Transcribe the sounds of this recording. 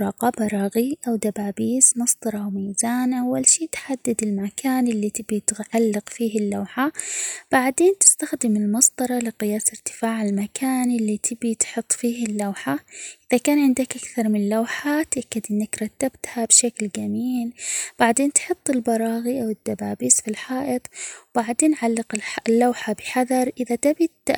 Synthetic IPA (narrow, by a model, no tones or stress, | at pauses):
ɾˤɑːqɑːbɑɾˤɑːɣiʔawd̪abaːbiːsmɑsˤd̪ˤɑɾˤɑʔawmiːzaːnʔawːalʃiːt̪ħad̪ːad̪ɪlmakʰaːnɪlːit̪ɪbit̪ʕalːɪqfiːɦɪlːawħab̥aʕd̪eːnt̪ɪ̥st̪axd̪ɪmɪlmɑsˤd̪ˤɑɾˤɑlɪqɪjaːsɪɾt̪ɪ̥faːʕalmakʰaːnʔɪlːit̪ʰɪbit̪ħʊt̪ˤːfiːhɪlːawħaʔɪðakaːnʕɪnd̪akʔakθɑɾˤmɪnɪlːawħat̪ʔakːad̪ʔɪnːakɾˤɑt̪ːabt̪habʃaklɡamiːlb̥aʕd̪eːnt̪ħʊt̪ˤːɪlbɑɾˤɑːɣiʔawɪd̪ːabaːbiːsfilħɑːʔɪt̪ˤwbaʕd̪eːnʕalːɪqɪlːawħabɪħaðɑɾˤʔɪðat̪abi